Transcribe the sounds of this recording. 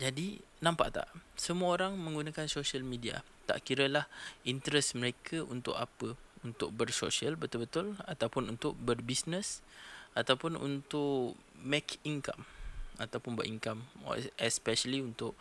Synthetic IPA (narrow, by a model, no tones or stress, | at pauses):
d͡ʒadi | nãmpa̰ʔt̪a̰ʔsəmuəoɾaŋmə̃ŋɡunakansoʃiəlmidia̰ | t̪a̰ʔkiɾəlahint̪əɾɛsməɾekʰəʔunt̪ʊ̰ʔapəunt̪ʊk̚bərso̰ʃiəlbət̪ʊlbət̪ʊlat̪awpʊnunt̪ʊʔ̚bərbisnəsat̪awpʊnṵnt̪ʊʔ | mɛkʰiŋka̰mat̪awpʊnba̰ʔiŋkam̰ɛspɛsəliunt̪ʊʔ